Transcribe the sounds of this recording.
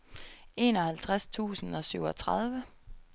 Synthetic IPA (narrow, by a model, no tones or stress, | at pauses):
e̝̰ːnɒ̽hælt͡sʰʁast͡sʰṵːsn̩ɒ̽syʊ̰ɒ̽t͡sʰʁɑð̞ˠʋə